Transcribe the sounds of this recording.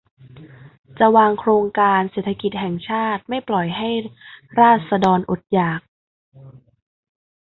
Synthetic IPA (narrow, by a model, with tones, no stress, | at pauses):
t͡ɕa˨˩waː˧ŋkʰɾoː˧ŋkaː˧nseː˨˩t̪ʰːa˧ki˨˩t̪̚hɛ˨˩ŋt͡ɕʰaː˥˩t̪̚ma˥˩jplɔ˨˩jɦa˥˩jɾaː˥˩t̪̚sa˧dɔː˧nʔo˨˩t̪̚jaː˨˩k̚